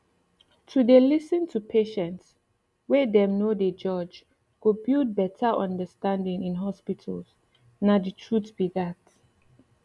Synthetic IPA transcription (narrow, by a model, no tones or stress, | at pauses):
tʰudelisə̃ntʰupʰeʃɛ̃nts | wedɛ̃mnoded͡ʒɔd͡ʒ | ɡ̥obild̚bɛtʰəʔɔ̃ndəstãndĩŋĩnɦɔspitʰəls | naditʰɹutbiɡat